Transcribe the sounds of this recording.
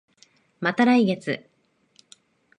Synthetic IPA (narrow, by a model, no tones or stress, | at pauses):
mat̪aɾaiɡe̞t͡sɨ